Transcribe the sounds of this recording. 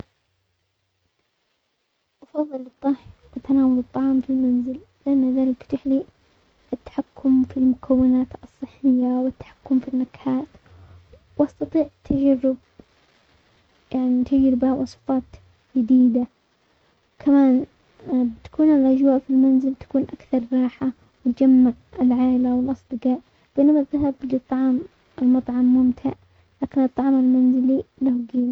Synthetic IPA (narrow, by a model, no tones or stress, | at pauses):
ʔɑfɑðˤːɨlɨt̪ˤːɑhʔat̪anaːwalɨt̪ˤːɑʕɑːmfilmanzɪl | lɪʔanːaðaːlɪkt̪ɪħli | ʔɪt̪ːḁħakːʊmfilmʊkʰawːɪnaːt̪ɨsˤːɨħːɪjːawɪt̪ːḁħḁkːʊmfinːakħaːt̪ | wʔɑst̪ɑt̪ˤiːʕt̪ʰːad͡ʒarːɪb̚ | jaʕnit̪ad͡ʒɾɪbawʔɑsˤfɑːt̪ | d͡ʒɪd̪iːd̪a | kʰamaːn | bɪt̪ḁkuːnɪlʔad͡ʒwaːʔfilmanzɪlt̪ḁkuːnʔakθɑɾˤɾˤɑːħa | wɪt̪d͡ʒamːaʕɪlʕaːlawɪlʔɑsˤd̪ɨqɑːʔ | b̥eːnamat̪ːaɦablɪt̪ˤːɑʕɑːm | ɪlmɑt̪ˤʕɑmːʊmt̪ʰaʕ | laːkɪnɨt̪ˤːɑʕmalmanzɪlilahɡiːla